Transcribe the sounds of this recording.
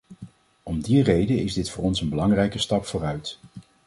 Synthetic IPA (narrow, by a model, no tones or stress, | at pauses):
ɔmdirejdəɪzdɪtfʊːrɔnsənbəlɑŋrɛjkəstɑpfʊːrœɥt